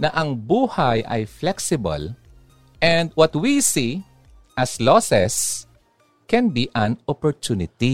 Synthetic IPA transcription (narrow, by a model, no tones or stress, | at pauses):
nɐʔɐŋbuːhajʔɐ̰jflɛksɪbɐ̰l | ʔɛ̃nd̪̚wɔt̪wisi | ʔɐslɔsɛs | kɛ̃nbiʔɐ̃nɔpɔɹt̪unɪt̪i